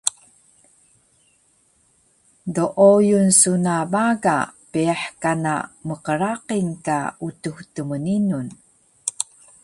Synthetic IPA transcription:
doʔojunsunabaɡapiaħkana̰məqəɾaqinka̰utuhtəməninun

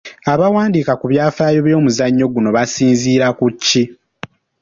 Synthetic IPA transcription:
aβawaːndikakuβjaːfaːjo̞βjo̞ːmuzaɲːo̞ɡuno̞βasiːnziːɾakucːi

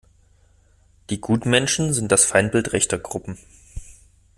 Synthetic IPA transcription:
d̥iːɡuːtmɛnʃn̩zɪnt̚d̥asfaɪnb̥ɪltʁɛçtɐɡʁʊpm̩

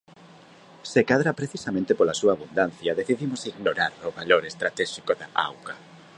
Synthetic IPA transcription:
sekaðɾapɾeθisamẽnt̪epolasuaːβund̪an̟θjaðeθiðimosiɣnoɾaɾoβaloɾest̪ɾat̪ɛʃikoðaa̰wɣa

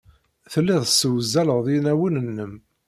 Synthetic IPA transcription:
θəlːiðˤəsəwzːæləʁðˤinæwənənːəm

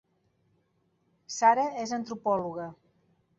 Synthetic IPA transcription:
saɾəezənt̪ɾupɔluɣə

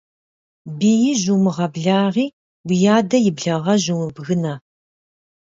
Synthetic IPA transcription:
biːjɪʑumɨʁɐbɮaːʁiː | wijaːdɐjɪbɮɐʁɐʑuwɨbɣɨnɐ

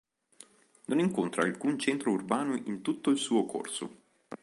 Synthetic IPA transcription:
noniŋkont̪ɾaːlkunt͡ʃɛnt̪ɾourbaːnoʔint̪ut̪ːoilsuːokʰo̰rso̰

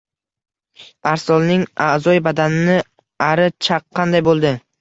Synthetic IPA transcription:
aɾsɒlˠnɪŋazɒjbad̪anɪnɪ | aɾɪt͡ʃʰɑqːɑnd̪ajbolˠd̪ɪ

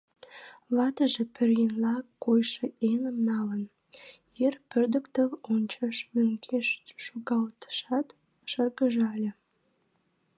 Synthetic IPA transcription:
βɑt̪əʒepørjenlɑkːojʃeenəmnɑlən | jerpørd̪ə̆kt̪əlonʲt͡ɕəʃmøŋkʰeʃʃoɣɑlt̪ə̥ʃɑt̪ | ʃərɣəʒɑlʲe

